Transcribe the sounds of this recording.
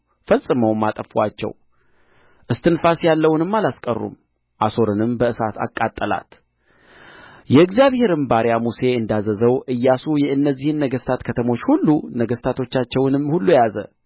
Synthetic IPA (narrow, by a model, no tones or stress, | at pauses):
fəsʼːɨməwmːat̪ʼəfwat͡ʃːɛ̰w | ʔɨst̪ʰɨnfasjalːəwnɨmːalaskʼə̰rːṵm | ʔaso̞ɾɨnɨmbəɨsa̰t̪ʰa̰kʼːat̪ʼːəla̰t̪ | jɛɨɡzijaβhe̞ɾɨmbaɾjamuse̞ɨnd̪azəzəwʔɨjːasujɛʔɨnːəzːihɨnːəɡəst̪ʰat̪kʰət̪ʰəmo̞t͡ʃːhulːunəɡəst̪ʰat̪ʰo̞t͡ʃːat͡ʃːɛwnɨmhulːujazə̰